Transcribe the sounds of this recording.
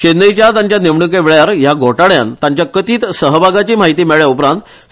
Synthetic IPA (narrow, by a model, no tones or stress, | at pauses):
t͡ɕenːəjt͡ɕjat̪aɲt͡ɕjaneʋɳuk̬eʋeɭjaɾjaɡʱoʈaɽja̰nt̪ãɲt͡ɕjakət̪iːt̪səɦəbʱaɡat͡ɕiːmaɦit̪iːmeɭjaupɾãnt̪